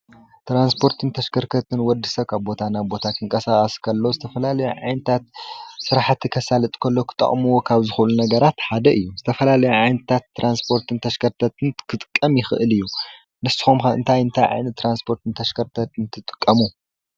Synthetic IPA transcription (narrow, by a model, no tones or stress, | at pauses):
t̪ɾanspʰo̞ɾt̪ʰɨnt̪ʰɐʃkʰɐɾkʰɐt̪ʰɨnwɔd̪ːɨsɐβkʰaβbo̞t̪ʰanabo̞t̪ʰak̪ʰɨŋkʼɐsakʼɐskʰɐlːo̞zɨt̪ʰɐfɐlalɐjuʕajnɐt̪ʰat̪̚sɨɾaħat̪ʰːikʰɐsalɐt̪ʼkʰɐlːo̞kʰɨ̥t̪ʼːɐ̰χʼmuwo̞kʰaβzɨxuʔlunɐɡɐɾat̪ħad̪ɐʔɨjːuzɨt̪ʰɐfɐlalɐjuʕajnt̪ʰat̪ːɾʔanspʰo̞ɾt̪ʰɨnt̪ʰɐʃkʰɐɾt̪ʰɐt̪ʰɨnkʰɨt̪ʼɨkʼːɐmjɪxɨʔɨlɨjːu | nɨst̪i̥xomxɨ̰nt̪ʰajɨnt̪ʰajʕa̰jnɐt̪ːɾanspʰo̞ɾt̪ʰɨnt̪ʰɐʃkʰɐɾt̪ʰɐt̪ɨnt̪ʰɨt̪ʼɨ̥kʼːɐmu